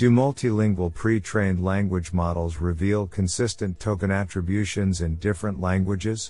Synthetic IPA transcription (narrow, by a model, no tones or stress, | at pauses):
d̥ɨmʌlˠtʰilɪ̃ŋɡwəl̩ˠpʰɹ̥itʰɹ̥ẽɪ̃ndˡlæ̃ŋɡwəd͡ʒmɑɾl̩ˠzɹɪvilˠkʰɨ̃nsɪstɨ̃ntʰoʊkɨ̃nætɹ̥ɨbjʉʃɨ̃nzɨ̃ndɪfɹə̃nʔlæ̃ŋɡwɨd͡ʒɪz̥